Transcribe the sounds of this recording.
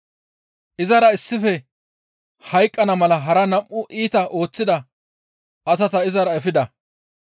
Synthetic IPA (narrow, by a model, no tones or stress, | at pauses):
ʔɪzɐɾɐɪsːɪfɛ | hɐjkʼːɐnɐmɐlɐɦɐɾɐnɐmʔʊʔiːt̪ɐʔo̞ːt͡sːɪd̪ɐ | ɐs̬ɐt̪ɐɪzɐɾɐɛfɪd̪ɐ